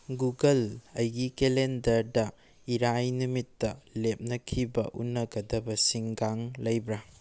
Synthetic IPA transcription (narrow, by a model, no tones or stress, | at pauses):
ɡuɡɐlɐjɡikelendɐɾdɐ | iɾajnumitːɐlep̚nɐkʰibɐ̰ʔṵnːɐɡɐdɐbɐsiŋɡaŋlɐjbɾɐ